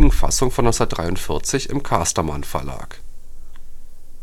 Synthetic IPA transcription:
ŋ̩fa̰sʊŋfɔnɔnsɐtdʁaɪʊntfɪɐt͡sɪçɪmkʰaːstɐma̰nfɛɐla̰ːk

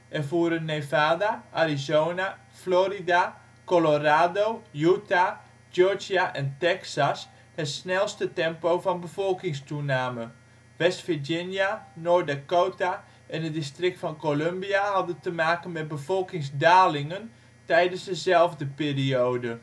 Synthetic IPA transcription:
ʔɛrvuəɾənːevaːdaʔarizowna | florida | koloraːdowjuta | d͡ʒøɹd͡ʒiaʔɛntɛksas | hɛtsnɛlˠstətɛmpowvɔnbəvɔlˠkɪŋstunaːmə | ʋɛstfid͡ʒɪnjanɔɹdakoːta | ʔɛnət̚distrɪk̚tfɔnkolømbiaɦɑdəntəmaːkənmɛt̚bəvɔlˠkɪŋsdaːlɪŋən | tɛjdənsdəzɛlˠvdəpiːrioːdə

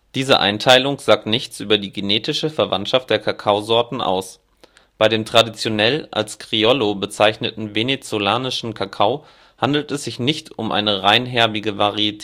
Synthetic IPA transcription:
d̥iːzə̰ʔa̰ɪntʰaɪlʊŋz̥aːk̚tnɪçt͡sʔyːbɐdiːɡeneːtɪʃəfɛɐva̰ntʃaftd̥eːɐkʰakʰaʊzɔɐtn̩ʔa̰ʊs | b̥aɪɾeːmtʁ̥adit͡sjonɛlʔa̰lskʁ̥iɔlobət͡saɪçnətn̩venet͡solaːnɪʃn̩kʰakʰaʊ | handl̩tɛsz̥ɪçnɪçtʊmʔa̰ɪnəʁaɪnɦɛɐbɪɡəvaʁiitʰː

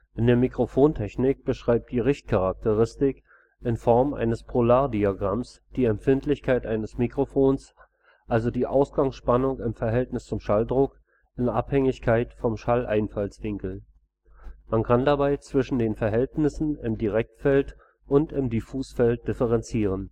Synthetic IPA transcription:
ʔɪndeːɐmikʁ̥ofoːntʰɛçnɪk̚b̥əʃʁ̥aɪp̚td̥iːʁɪçt̚kʰaʁak̚təʁɪstɪk | ʔɪnfɔɐmʔa̰ɪnəspʰʁ̥olaːɐdiaɡʁamsd̥iːɛmfɪntlɪçkʰaɪtʔaɪnəsmikʁ̥ofoːns | ʔalzodiːʔa̰ʊsɡ̥aŋsʃpanʊŋɪmfɛɐɦɛltnɪst͡sʊmʃaldʁʊk | ʔɪnʔa̰phɛŋɪçkʰaɪtfɔmʃalʔa̰ɪnfalsv̥ɪŋkl̩ | mankʰandabaɪt͡sv̥ɪʃn̩deːnfɛɐɦɛltnɪsn̩ɪmdiʁɛk̚tfɛlt | ʔʊntɪmdifuːsfɛlt̚d̥ɪfəʁɛnt͡siːʁ̞ən

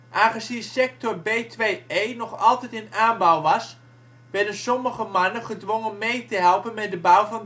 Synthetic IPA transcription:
ʔaːχəzinsɛk̚tɔɹbejtʋejejnɔχɑlˠtɛjtɪnaːnbawʋɑs | ʋɛɹdənsɔməχəmɑnəχədʋoŋənmejtəɦɛlˠpənmɛt̚dəbawvɑn

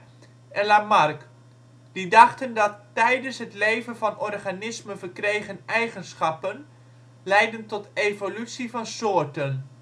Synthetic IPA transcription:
ʔɛlamɑrk | d̥idɑχtəndɑtː | ɛjdənsɦətlejvənvɑnɔrχanɪsmənvəɹkrejχənɛjχənsχɑpən | lɛjdəntɔtejvolytsivɑnsoːɹtən

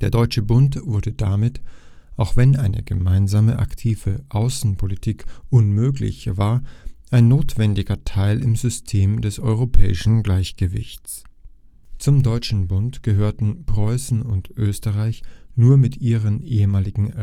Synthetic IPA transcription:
d̥eːɐdɔʏt͡ʃəbʊntv̥ʊɐdədamɪt | ʔaʊxv̥ɛnʔaɪnə̰ɡəmaɪnzaːməʔa̰ktʰiːv̥əʔaʊsn̩pʰolitʰiːkʔʊnmøːklɪ̰çv̥aːɐʔaɪnːoːtv̥ɛndɪɡɐtʰaɪlɪmzʏstʰeːmdɛsʔɔʏʁopʰɛ̰ːɪʃn̩ɡlaɪçɡ̥əvɪ̰çt͡s | t͡sʊmdɔʏt͡ʃn̩bʊntɡ̥əɦøːɐtn̩pʁ̥ɔʏsn̩ʊntʔøːstəʁaɪçnuːɐmɪtʔiːʁ̞ənʔeːəmaːlɪɡŋ̩

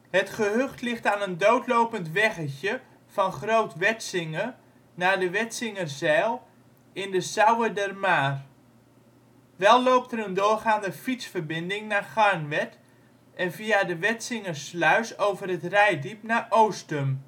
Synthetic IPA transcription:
ɦətχəɦøχtlɪχtaːnəndowtlowpəntʋɛɣəçə | v̥ɑnχrowtʋɛtsɪŋə | naːdəʋɛtsɪŋərzɛːlˠ | ɪndəsawədɛrmaːr | ʋɛlˠlowp̚təɾəndʊːrχaːndəfitsfərbɪndɪŋnaːχaɹnʋɛt | ʔɛnviadəʋɛtsɪŋərslœɥsowvərətrɛjdipnaːʔowstəm

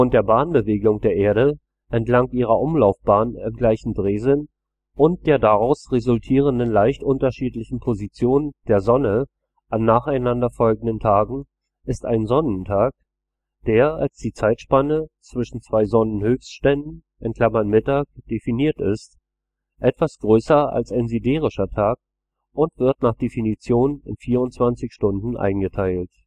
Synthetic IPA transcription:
fʊnt̚d̥eːɐbaːnbəveːɡʊŋd̥eːɐʔeːɐɾə | ʔɛntlaŋtʔiːʁ̞ɐʔʊmlaʊfb̥aːnɪmɡlaɪçn̩dʁeːzɪn | ʔʊnt̚d̥eːɐdaʁaʊsʁezʊltʰiːʁ̞əndənlaɪçtʔʊntɐʃiːtlɪçn̩pʰozit͡sjoːnənd̥eːɐzɔnə | ʔanːaːχaɪnandɐfɔlɡŋ̩dəntʰaːɡŋ̩ | ʔɪsta̰ɪnzɔnəntʰaːk̚ | d̥eːɐalsd̥iːt͡saɪtʃpanət͡sv̥ɪʃn̩t͡sv̥aɪzɔnənhøːfstʃtɛndn̩ | ʔɛnkʰl̥amɐnmɪtaːk̚d̥efiniːɐtɪ̰st | ʔɛtv̥asɡ̥ʁøːsɐa̰lsaɪnzideːʁ̞ɪʃɐtʰaːk̚ | ʔʊntv̥ɪɐtnaːχd̥efinit͡sjoːnɪ̰nfiːɐʊntt͡sv̥ant͡sɪçʃtʊndn̩ʔa̰ɪnɡətʰaɪlt

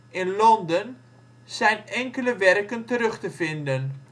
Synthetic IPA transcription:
ɪnlɔndən | sɛjnɛŋkələʋɛrkəntəɾɵχtəfɪndən

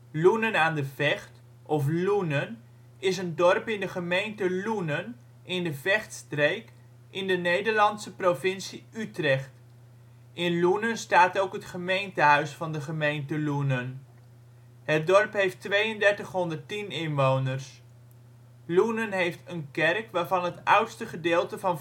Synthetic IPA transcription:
lunənaːndəv̥ɛχt | ʔɔflunən | ɪsəndɔrpɪndəχəmejntəlunən | ɪndəvɛχtstrejk | ɪndənejdəɹlɑntsəprovɪnsiytrɛχt | ɪnlunənstaːtowkɦətχəmejntəɦœɥsfɑndəχəmejntəlunən | ɦət̚dɔɹpɦejftʋejəndɛɹtəχɦɔndərtinɪnʋownərs | lunənɦejftənkɛrkʋaːɹvɑnɦətʌ̰wtstəχədɪːlˠtəvɑn

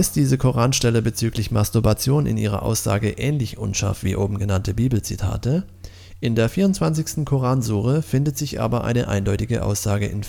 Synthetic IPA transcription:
ɪstd̥iːzəkʰoʁaːnʃtɛləbət͡syːklɪçmastʊɐbat͡sjoːnɪ̰nʔiːʁ̞ɐ̰ʔa̰ʊsz̥a̰ːɡəʔɛːnlɪçʔʊ̰nʃa̰ɐftv̥iːʔoːbm̩ɡənantəbiːbl̩t͡sitʰa̰ːtə | ʔɪndeːɐfiːʁʊntt͡sv̥ant͡sɪçstn̩kʰoʁaːnzuːʁəfɪndətz̥ɪçʔa̰ːbɐʔa̰ɪnəʔa̰ɪndɔʏtɪɡə̰ʔa̰ʊsz̥aːɡəʔɪ̰n

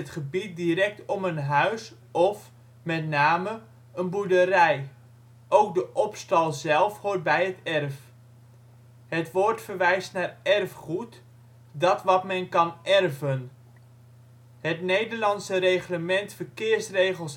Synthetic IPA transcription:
ətχəbit̚diɾɛk̚tɔmənɦœɥs | ɔf | mɛtnaːmə | ənbuɹdəɾɛj | ʔowk̚dəʔɔpstɑlˠzɛlˠfhoːɹt̚bɛjətɛrf | ɦətʋoːɹtfəɹʋɛjstnaːrɛrfχut | dɑtʋɑtmɛnkɑnʔɛrvən | ɦətnejdəɹlɑnsərejχləmɛntfəɹkɪːɹsrejχəlˠs

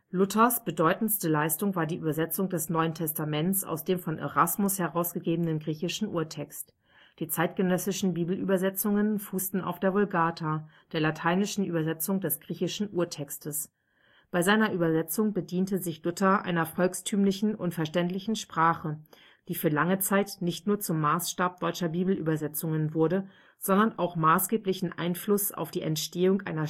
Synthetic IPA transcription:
lʊtʰɐsb̥ədɔʏtn̩stəlaɪstʊŋvaːɐdiːʔyːbɐzɛt͡sʊŋdɛsnɔʏəntʰɛstamɛnt͡sa̰ʊsd̥eːmfɔnʔḛʁasmʊshɛʁaʊsɡ̥əɡeːbənənɡʁiːçɪʃn̩ʔṵːɐtʰɛkst | d̥iːt͡saɪt̚ɡ̥ənœsɪʃn̩biːbl̩ʔy̰ːbɐzɛt͡sʊŋənfuːstn̩a̰ʊfd̥eːɐvʊlɡaːtʰad̥eːɐlatʰaɪnɪʃn̩ʔy̰ːbɐzɛt͡sʊŋdɛsɡ̥ʁiːçɪʃn̩ʔuːɐtʰɛkstəs | b̥aɪzaɪnɐʔyːbɐzɛt͡sʊŋbədiːntəzɪçlʊtɐʔa̰ɪnɐfɔlkstʰyːmlɪçn̩ʔʊntfɛɐʃtɛntlɪçn̩ʃpʁ̥aːχə | d̥iːfyːɐlaŋət͡saɪtnɪçtnuːɐt͡sʊmːaːsʃtaːp̚d̥ɔʏt͡ʃɐbiːbl̩ʔy̰ːbɐzɛt͡sʊŋənvʊɐdə | z̥ɔndɐnʔaʊxmaːsɡ̥eːplɪçn̩ʔa̰ɪnflʊsa̰ʊfd̥iːʔɛntʃteːʊŋʔa̰ɪnɐ

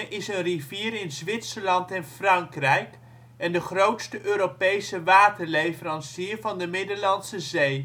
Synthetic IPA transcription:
ʔɪsənriviːɾɪnzʋɪtsəɹlɑntɛnfrɑŋkrɛjk | ɛndəχrowtstəʔøːɾopejsəʋaːtəɹlejfəɾɑnsiːɹvɑndəmɪdəɹlɑnsəzej

